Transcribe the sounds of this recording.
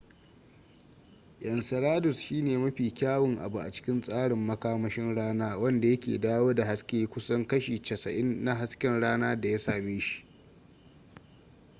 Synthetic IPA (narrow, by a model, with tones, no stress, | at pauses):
jɐ˨nsɐ˨ɾaː˦dʊ˨sʃiː˦neː˨mɐ˦ɸiː˨kʲaː˦wɪ˨ŋʔa̰˨bu˨ʔa̰˨t͡ʃɪ̥˦kʲɪ˦nsʼaː˦ɽɪ˨mːɐ˦kaː˦mɐ˦ʃɪ˦nɽaː˦naː˦wɐ˦nda˨jɐ˦kʲḛː˨daː˦woː˦da˨ɦa˦skʲeː˦kʷʊ˦sɐ˦ŋkɐ˦ʃiː˨t͡ʃɐ˨sɐ˨ʔɪ˦nːa˦ɦa˦skʲɪ˦nɽaː˦naː˦da˨ja˦saː˨meː˦ʃi̥˦ʔ